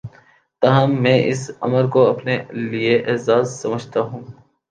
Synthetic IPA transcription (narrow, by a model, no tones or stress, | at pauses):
t̪aɦəmːẽːʔɪsɐ̰məɾkoɐpnelieʔeːzaːzːɐməd͡ʒt̪aɦũː